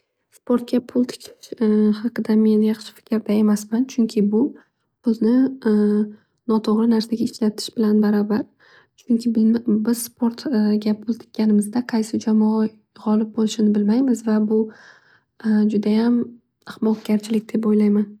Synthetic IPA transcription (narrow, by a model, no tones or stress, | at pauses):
spʰo̞ɾt̪̚ɡʲapʰʊlˠt̪ʰɪ̥kʲʰɪ̥ʃhɑqʰɨd̪ame̞njɑχʃɪ̥fɪ̥kʲʰɾd̪ae̞masmant͡ʃʰʊŋkʲʰɪbʊ | b̥ʊznɪ | nɒt̪ʰoʁɾɪnaɾsaɡʲaɪʃlat̪ʰɪ̥ʃbɪlanbaɾɒbaɾ | t͡ʃʰʊŋkʲʰɪbɪzspʰo̞ɾt̪ɡʲapʰʊlˠt̪ʰɪ̥kʲʰːanɪmɪzd̪aqʰɑjsɪd͡ʒamɒ | ʁɒlɪp̚bolɪʃɪnɪbɪlmajmɪzvabʊ | d͡ʒʊd̪ajam | ɪhmɒqɡʲaɾt͡ʃʰɪlɪkʲd̪̥e̞p̬ojlajman